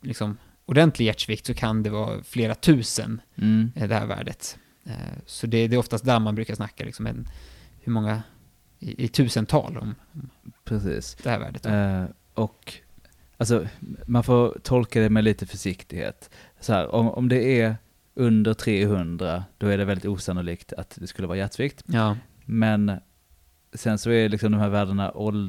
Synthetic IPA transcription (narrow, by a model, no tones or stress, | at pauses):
lɪksɔm | ʊɖɛnt̪ʰlɪɡjæʈʂvɪkt̪sɔkʰand̪ɛvɑ̰ːfleːɾat̪ʰʉ̟ːsə̰nd̪ɛhæ̰ːɾvæ̰ːɖə̰t̪ | sɔd̪ɛd̪ɛːɾɔft̪ast̪̚d̪æɾmanbɾʉkaʂnakːalɪksɔmɛ̰nhɵɾmɔŋːa | ɪʔɪt̪ʰʉ̟ːsənt̪ʰɑ̰ːlɔ̰mɔmpʰɾɛsḭːsd̪ɛhæːɾvæ̰ːɖət̪ | ʔɔk | als̬ɔmanfoːɾt̪ʰɔlkad̪ɛmɛliːt̪əfœʂɪkt̪ɪɡhḛːt̪ | sɔhæ̰ːɾɔ̰mɔ̰md̪ɛæɾ | ʔɵnd̪əɾʈ̪ʰɾeːɦɵnd̪ɾad̪̥ɔæɖɛvɛld̪ɪt̪uːsanʊliːkt̪ʰat̪d̪ɛskɵləvɑːɾajɛt̪ːviːk̚t̪ | mɛn | sɛnsɔælɪksɔmd̪ɔmhæːɾvæːɖəɳa̰ʔɔl